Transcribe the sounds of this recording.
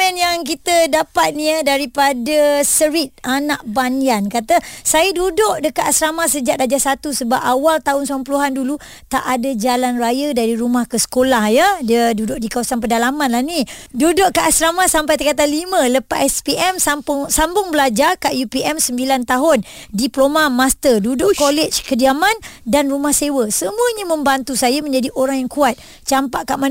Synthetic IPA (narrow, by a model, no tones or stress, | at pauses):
ɛnjaŋkit̪ədapat̪̚niədaɾipadəsəɾit̪̚anaʔbaniankat̪əsajədudʊʔdəkat̪asɾamasəd͡ʒaʔdad͡ʒasat̪usəbapawalt̪aɦʊnsampəluɦandulu | t̪aʔadəd͡ʒalanrajədaɾiɾumahkəsə̥kolahjədədudʊʔdikawasanp̬ədalamanlahnidudʊʔkaʔasɾamasampajt̪̬əkat̪̬anlimə̃ləpaʔɛspiɛmsampʊsambʊŋbəlad͡ʒarkaʔjupiɛmsəmbilant̪aɦʊndiplomamast̪ədudʊʔkolɛt͡ʃkədiamãndanrumahsewəsəmũəɲamə̃mbant̪usajamə̃ɲd͡ʒadiʔoɾaŋjaŋkuat̪̚ | t͡ʃampaʔkaʔma